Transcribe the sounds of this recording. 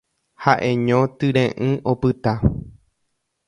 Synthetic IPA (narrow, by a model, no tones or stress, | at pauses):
haʔẽɲõt̪ɨɾẽʔɨ̃ʔo̞pɨt̪a